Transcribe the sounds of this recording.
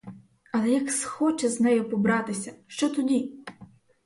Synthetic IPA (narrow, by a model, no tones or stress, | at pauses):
ɐlˠɛjɐksxɔt͡ʃɛznɛjɔpɔbɾɑt̪ɪsʲɐʃt͡ʃɔt̪ɔdʲi